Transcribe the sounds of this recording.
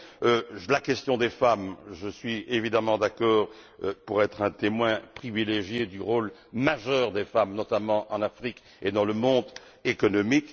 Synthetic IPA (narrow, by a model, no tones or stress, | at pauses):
ølakɛst̪jɔ̃d̪efamʒəsɥievid̪amɑ̃d̪akɔːʁø̰puʁɛt̪χɛ̃t̪emwɛ̃pχivileʒjed̪yʁolmaʒœʁd̪efamnɔt̪amɑ̃ʔɑ̃nafχik | ed̪ɑ̃ləmɔ̃d̪ | ekɔnɔmik